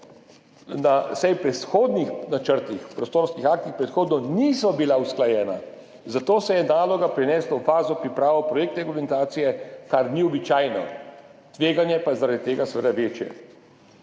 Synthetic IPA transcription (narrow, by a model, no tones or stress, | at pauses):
nasɛjpɾɛsxoːd̪nixnat͡ʃəɾt̪ixpɾɔst̪oːɾskixaːk̚t̪ixpɾɛt̪xoːd̪nɔniːsɔbilausklajɛːna | zat̪oːsɛjɛnaːlɔɡapɾɛnɛːslawfaːzɔpɾipɾaːʋɔwpɾɔjeːk̚t̪ɾɛɡulmɛnt̪aːt̪sijɛkaɾniɔbit͡ʃaːjnɔt̪ʋeːɡanjɛpajɛzaɾad̪it̪eːɡasʋed̪aʋeːt͡ʃjɛ̰